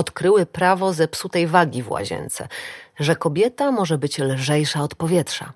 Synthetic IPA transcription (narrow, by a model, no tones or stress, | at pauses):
ɔt̪kɾɘwɘpɾavɔzɛpsut̪ɛjvaɡʲivwa̰ʑɛ̰nt̪sɛ̰ʐɛkɔbʲjɛt̪amɔʐɛbɘt͡ɕlʐɛjʂaɔt̪pɔvʲjɛtʂa̰